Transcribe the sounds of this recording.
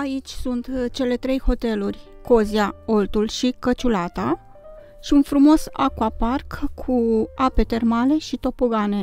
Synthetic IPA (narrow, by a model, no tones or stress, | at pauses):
ait͡ʃʲsunt̪t͡ʃe̞le̞t̪ɾe̞jho̞t̪e̞lurʲ | ko̞ziao̞lt̪ulʃikət͡ʃulat̪a | ʃiunfɾumo̞sa̰kuaparkʰːuape̞t̪e̞rmale̞ʃit̪o̞poɡane̞